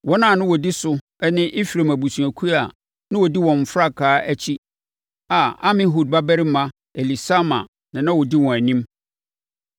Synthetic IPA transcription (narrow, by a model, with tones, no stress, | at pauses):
wɔ˦nã˦˨nʊ̃˦wɔ˨di˦sʊ˦ | ɛ˦nɪ̃˦ʔi˦fɾẽ˨mæ˨bu˨sũ˨æ˨kʰu˦a˨ | nʊ̃˦wɔ˨di˦wɔ̃˨m̩˨fɾa˦kʰaː˦æ˦t͡ɕʰi˦ | a˨a˦mɪ̃˦ɦu˨d̚ba˦bæ˦ɾi˦mã˦ | e˨li˨sa˦mã̰˨ | nã˨nã˦wɔ˨di˦wɔ̃˨æ˨nĩ˦m